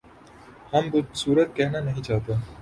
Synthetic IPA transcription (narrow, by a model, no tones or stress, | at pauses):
hɐmbʊsuːɾət̪̚kɛɦnanɐɦĩt͡ʃaːɦt̪e